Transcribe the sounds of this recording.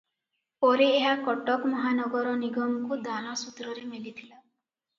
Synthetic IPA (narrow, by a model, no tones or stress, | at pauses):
pɔɾieɦakɔʈɔkmɔɦanɔɡɔɾɔniɡɔmkud̪anɔsut̪ɾɔɾemelit̪ʰila